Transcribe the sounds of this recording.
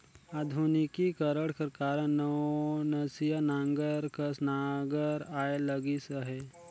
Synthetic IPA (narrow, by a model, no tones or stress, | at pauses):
aːd̪ʱunikikəɾəɽkəɾkaːɾənənəsijənãːŋɡəɾkəsnaɡəɾaːeləɡisəɦɛ